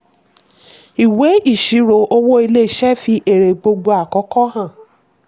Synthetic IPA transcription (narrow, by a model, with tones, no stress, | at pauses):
i˨we˨˦i˦˨ʃi˨˦ɾo˨˦ʔo˧wo˦i˧le˦˨ʃɛ˦fi˧ʔe˨ɾe˨ɡ͡bo˧ɡ͡bo˧a˨kɔ˨˦kɔ˦ɦã˦˨